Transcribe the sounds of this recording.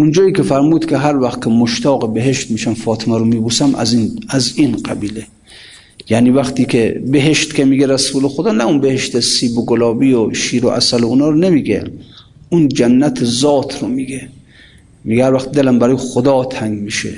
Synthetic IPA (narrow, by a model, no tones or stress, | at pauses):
und͡ʒɒːiːkʲefæɾmuːd̪kʲʰeɦæɾvæxt̪̚kʰʲemoʃt̪ɒːɣebeɦeʃt̪miːʃæmfɒːt̪ʰemæɾomiːbuːsæmʔæ̰znæzinqæbiːle | jæniːvæxt̪iːkʲʰebeɦeʃt̪kʰʲemiːɡeɾæsuːlexod̪ɒːnæunbehe̞ʃt̪esiːboɡolɒːbiːoʃiːɾoʔæ̰sælounɒːɾonemiːɡḛ | und͡ʒænːæt̪ʰezɒːt̪ʰɾomiːɡe | miɡɛhæɾvæxt̪̚d̪elæmbæɾɔːjexod̪ɒːt̪ʰæŋɡmiːʃḛ